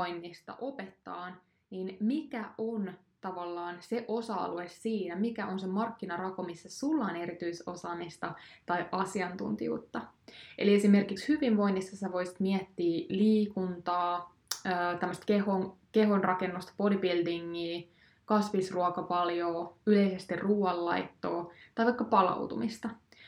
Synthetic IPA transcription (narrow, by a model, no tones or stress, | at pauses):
ojnːist̪ɑ̰ʔo̞pet̪ːɑːn | niːnmikæon | t̪ɑʋɑlːɑːnse̞ʔosɑɑ̰luesːiːnæmikæʔo̞nsemɑrkːinɑrɑko̞misːessulːɑːne̞ɾit̪yiso̞̰sɑːmist̪ɑt̪ɑjʔɑsiɑnt̪ṵnt̪ḭjṵːt̪ːɑ | ʔḛlie̞sime̞rkikshyʋinʋo̞jnːisːɑsæʋo̞jsi̥t̪miɛt̪ːiːliːkunt̪ɑː | øːt̪æmːəst̪keɦonke̞ɦonrʔɑkenːust̪ɑ̥polipild̪iŋːiː | kɑsʋisruɑkɑpɑljoːyle̞ise̞st̪irruːɑlːɑ̰jt̪ːo̰ːt̪ɑjʋɑikːɑpɑlɑ̰wt̪umist̪ɑ